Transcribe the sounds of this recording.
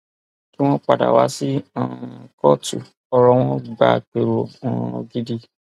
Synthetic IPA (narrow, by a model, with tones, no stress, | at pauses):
ki˦w̃ɔ̃˦k͡pa˨da̰˨wa˨˦si˦ã˨kɔ˦tṵ˨ | ɔ˧ɾɔ˧w̃ɔ̃˦ɡ͡ba˨k͡pe˨ɾo˨ã˨˧˨ɡi˦di˦